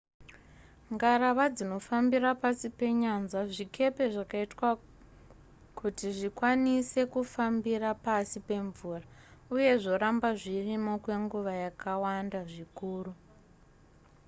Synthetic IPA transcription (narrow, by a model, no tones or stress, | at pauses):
ŋɡaɾaʋad͡zino̞fambirapasipe̞ɲanzaʐike̞pe̞ʐakaitwa | kutiʐikwanise̞kufambirapasipe̞ɱvuːrauje̞ʐo̞ɾambaʐirimokwe̞ŋɡuʋajakawandaʐikuːru